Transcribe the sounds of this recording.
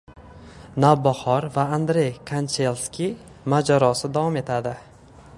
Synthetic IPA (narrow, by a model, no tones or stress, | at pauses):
navbɒhɒɾvaːnd̪ɾe̞jkʰant͡ʃʰelˠskʲi | mad͡ʒaɾɒsɪd̪avɒme̞t̪ʰad̪ɪ